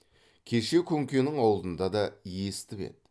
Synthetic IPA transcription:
kʲʰe̞ʃe̞kʲʰɵŋkʲe̞nɪŋɑwlˠd̪ənd̪ɑd̪ɑje̞st̪ɪpe̞̰t̪̚

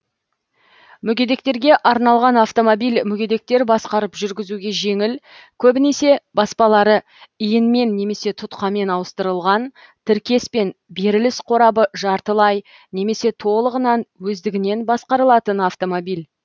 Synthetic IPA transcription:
mʏɡʲed̪e̞k̚t̪e̞ɾɡʲe̞ʔɑɾnɑlˠʁɑnɑft̪o̞mo̞bijlʲmʏɡʲe̞d̪e̞k̚t̪e̞ɾbɑsqɑɾəpʒʏɾɡʲɪzuɡʲe̞ʒe̞ŋɪl | kʲʰɵbɪne̞se̞bɑspɑlˠɑɾə | ijɪnme̞nːe̞me̞se̞t̪ʰʊt̪qɑme̞nɑwəst̪əɾəlˠʁɑn | t̪ʰɪɾkʲe̞spe̞nbe̞ɾɪlɪsqʰo̞ɾɑbəʒɑɾt̪əlˠɑj | ne̞me̞se̞t̪ʰo̞lˠəʁənɑnwɵzd̪ɪɡʲɪne̞nbɑsqɑɾəlˠɑt̪ənɑft̪o̞mo̞bijlʲ

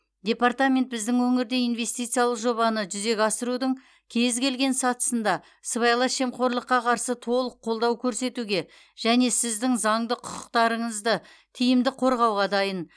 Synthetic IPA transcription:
d̪ʲe̞part̪amʲe̞nt̪̚bɪzd̪ɪŋwɵŋɪɾd̪e̞inve̞st̪ijt̪sɨjalˠəqʒo̞βɑnəʒʏze̞kʲɑsəɾud̪əɴ | kʲʰe̞zkʲʰe̞lɡʲe̞nsɑt̪ə̥sənd̪ɑ | səβɑjlˠɑʃe̞mqo̞ɾlˠəqːɑqʰɑɾsət̪ʰo̞lˠəqʰːo̞lˠd̪ɑwkʲʰɵɾse̞t̪uɡʲe̞ | ʒ̥æne̞sɪzd̪ɪŋzɑɴd̪əqʰʊ̥qʊ̥qt̪ɑɾəɴəzd̪ə | t̪ʰijɪmd̪ɪqʰo̞ɾʁɑwʁɑd̪ɑjən

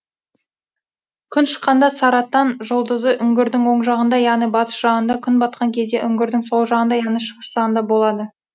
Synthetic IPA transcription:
kʲʰʏnʃə̥qːɑnd̪ɑsɑɾɑt̪ːɑnʒolˠd̪əzəʔʏŋɡʲɪɾd̪ɪŋwo̞ɴʒɑʁənd̪ɑjɑʁnijbɑt̪ə̥ʃʒɑʁənd̪ɑkʲʰʏnbɑt̪̚qɑŋkʲʰe̞zd̪e̞ʔʏŋɡʲɪɾd̪ɪŋso̞lˠʒɑʁənd̪ɑjɑʁnijʃəʁəʃɑʁənd̪ɑbo̞lˠɑd̪ə

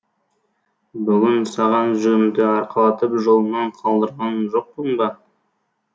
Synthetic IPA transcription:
bʏɡʲɪnsɑʁɑnʒɵɪmd̪ɪɑɾqɑlˠɑt̪əpʒo̞lˠənɑɴqʰɑlˠd̪əɾʁɑnʒo̞q̚pəɴbɑ

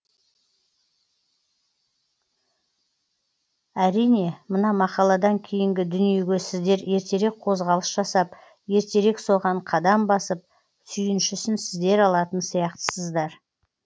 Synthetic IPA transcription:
æɾijne̞mənɑmɑqɑlˠɑd̪ɑŋkʲʰe̞jɪŋɡʲɪd̪ʏnije̞ɡʲe̞sɪzd̪e̞ɾje̞ɾt̪e̞ɾe̞k̚qʰo̞zʁɑlˠəsʒ̥ɑsɑp | je̞ɾt̪e̞ɾe̞kso̞ʁɑɴqʰɑd̪ɑmbɑsəp̚ | sʏjɪnʃʏsɪnsɪzd̪e̞ɾɑlˠɑt̪ənsijɑqt̪ə̥səzd̪ɑɾ

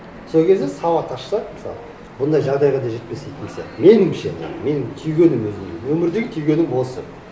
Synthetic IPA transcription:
solˠkʲʰe̞zd̪esɑwɑt̪ʰɑʃsɑməsɑ̰lˠə | bʊnd̪ɑjʒɑʁd̪ɑjʁɑd̪ɑʒe̞t̪pe̞sejt̪ɪnsḛme̞nɪmʃḛme̞nɪŋt̪ʰʏjɡʲe̞nɪmwɵzɪmenwɵmɪɾd̪e̞ɡʲɪt̪ʰʏjɡʲe̞nɪŋbo̞lˠsə

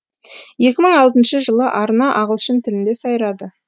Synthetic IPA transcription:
je̞kʲɪməɴɑlˠt̪ənʃəʒəlˠəʔɑɾənɑʔɑʁəlˠʃənt̪ʰɪlɪnd̪e̞sɑjɾɑd̪ə

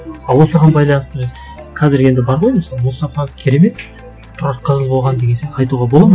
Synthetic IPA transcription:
ɑwo̞səʁɑnbɑjlˠɑnəst̪əbɪz | qʰɑzɪɾe̞nd̪ɪbɑɾʁo̞jmɪsɑlˠmʊst̪ɑfɑkʲʰeɾeme̞t̪ | t̪ʰʊɾɑqʰəzəlˠbolʁɑnd̪eɡʲe̞nsenɑjt̪uʁɑbo̞lˠɑm

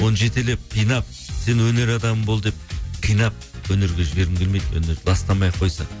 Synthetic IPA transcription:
wo̞nʒe̞t̪ele̞p̚q̪ʰijnɑp̚ | se̞nwɵne̞ɾɑd̪ɑməmbo̞lˠd̪ep̚q̪ʰijnɑp̚wɵnɪɾɡʲeʒɪbe̞ɾɪmɡʲelmejd̪wɵ̰ne̞ɾlˠɑst̪ɑmɑjqʰːo̞jsɑ̰

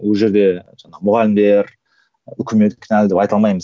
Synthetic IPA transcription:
wolʒe̞ɾd̪e̞ʒɑɴɑʁəmʊʁɑlɪmd̪e̞ɾ | ʏkʲɪme̞t̪kʲʰɪnæld̪epɑjt̪ɑlˠmɑjməz

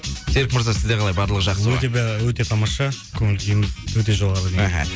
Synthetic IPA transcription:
seɾɪk̚məɾzasɪzd̪eqʰɑlˠɑjbɑɾlˠəʁəʒɑq̪əwɵt̪ebwɵt̪e̞t̪ʰɑmɑʃɑkʲʰɵŋɪlɡ̪ʲejɪnwɵt̪e̞ʒolˠʁɑɾəd̪eɦa̰

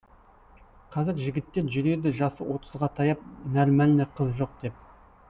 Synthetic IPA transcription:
qʰɑzɪɾʒɪɡʲɪt̪ːe̞ɾʒʏɾe̞d̪ɪʒɑsəwo̞t̪əzʁɑt̪ʰɑjɑp̚nælmælneqʰəzʒo̞q̚d̪̥e̞p̚

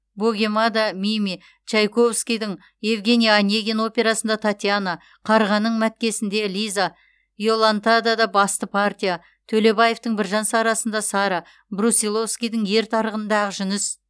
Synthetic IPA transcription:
boɡʲe̞mad̪amimi | t͡ʃɑjkʰo̞vskʲijd̪ɪɴ | jevɡʲe̞nʲijanʲːeɡʲeno̞pʲe̞ɾasənd̪ɑt̪ʰat̪ʲijana | qʰɑɾʁɑnːəɴmæt̪̚kʲe̞sɪnd̪e̞lʲijza | jo̞lˠant̪ad̪ad̪ɑbɑst̪əpʰart̪ʲija | t̪ʰɵle̞baje̞ft̪əɴbɪɾʒɑnsɑɾɑsənd̪ɑsɑɾɑ | brusʲilˠo̞vskʲijd̪ɪŋje̞ɾt̪ʰɑɾəʁənd̪ɑʁəʒʏnɪs

